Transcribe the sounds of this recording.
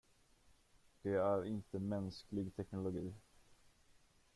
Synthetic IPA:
d̪̥ɛæɾɪnt̪əmɛnsklɪɡt̪ʰɛknʊlʊɡiː

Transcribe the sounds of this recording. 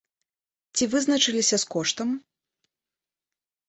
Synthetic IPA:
t͡sʲivɨznɐt͡ʂɨlʲisʲɐskɔʂt̪ɐm

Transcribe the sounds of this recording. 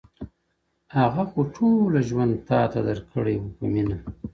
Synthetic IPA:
haɣaxoʈʰolaʒwand̪̚t̪ɑt̪ad̪aɾkʰəɽewukəmina

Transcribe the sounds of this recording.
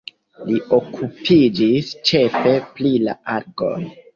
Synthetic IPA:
lio̞kʰupʰid͡ʒist͡ʃe̞fe̞plila̰ʔaɾɡo̞̰n

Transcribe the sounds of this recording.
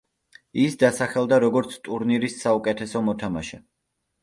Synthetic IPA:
isd̪asaχɛlˠd̪aɾɔɡɔɾt̪sʰt̪ʼuɾniɾisːaukʼɛt̪ʰɛsɔmɔt̪ʰamaʃɛ

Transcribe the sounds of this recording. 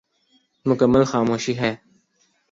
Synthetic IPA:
mʊkəmːəlxaːmoːʃiːɦɛː

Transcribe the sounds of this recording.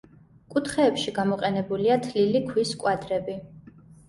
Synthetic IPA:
kʼut̪ʰχɛːpʃiɡamɔqʼɛnɛbuliat̪ʰlilikʰwiskʼwad̪ɾɛbi

